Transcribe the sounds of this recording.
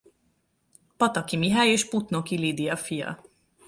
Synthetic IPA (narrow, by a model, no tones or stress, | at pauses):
pɒt̪ɒkimiɦaːjeːʃput̪no̞kilid̪iɒfijɒ̰